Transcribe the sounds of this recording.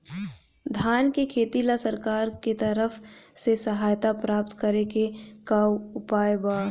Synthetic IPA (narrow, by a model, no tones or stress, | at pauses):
d̪ʱaːnkekʰeːt̪ilasəɾkaːɾket̪əɾəfsesəɦaːjt̪apɾaːpt̪kəɾekekawʊpaːjbaː